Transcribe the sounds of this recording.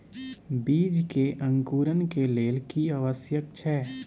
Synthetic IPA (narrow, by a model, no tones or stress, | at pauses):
biːd͡ʒkeʔə̃ŋkuːɾənkeleːlkiaʋəsjək̚t͡ʃʰɛː